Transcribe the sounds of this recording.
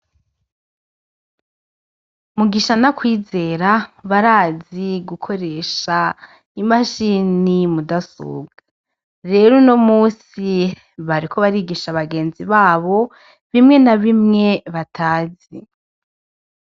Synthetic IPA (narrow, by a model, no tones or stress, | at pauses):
muɡiʃanakwiːze̞ɾaβaɾaːziɡukʰo̞ɾe̞ʃa | imaʃiːnimudasṵːɡ̥a | ɾe̞ːɾunomuːsi | βaɾikʰo̞βaɾiːɡiʃaβaɡeːnziβaːβo̞ | βimŋe̞naβimŋe̞βatʰaːzi